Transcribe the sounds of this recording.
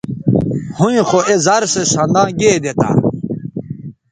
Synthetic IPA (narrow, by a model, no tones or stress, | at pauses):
hũĩxoezɐɾsesɐ̃nd̪ãːɡeːd̪et̪a̰